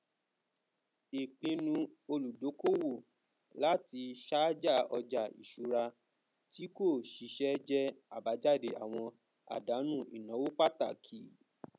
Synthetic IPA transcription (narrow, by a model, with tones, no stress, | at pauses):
i˨k͡pĩ˧nũ˧o˧lu˨do˨˦ko˦wo˦˨ | la˦ti˧ʃa˦d͡ʒa˦˨ɔ˧d͡ʒa˨ḭ˨ʃu˨ɾa˧ | ti˦ko˦˨ʃi˨˦ʃɛ˦d͡ʒɛ˦a˦˨ba˨˦d͡ʒa˦˨de˨a̰˨w̃ɔ̃˧ | a̰˨da˨˦nũ˦˨i˨nɔ̃˨˦wo˦k͡pa˦ta̰˨kʰi˨